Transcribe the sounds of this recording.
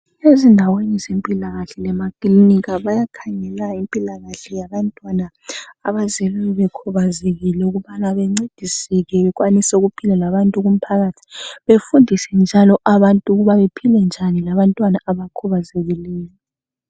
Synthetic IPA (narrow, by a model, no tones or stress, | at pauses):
ezindʱawenizempʼilaɣaɬɛlɛmakʼliniɣaβajakʰaŋɛlaimpʼilaɣaɬɛjaβantʼwanaː | βazeluliβɛkʰuβazeɣilɛuɣuβanaβɛŋ͡ǀed̥ʱisiɣɛβɛɣwanisɛuɣupʰilɛlaβantʼuɣum̩pʰaɣaːtʰi̥βefundʱisɛnd͡ʒʱalɔʔaβantʼuɣuβaβepʰilɛnd͡ʒʱanilaβantʼwanaaβakʰɔβazeɣilɛːjɔ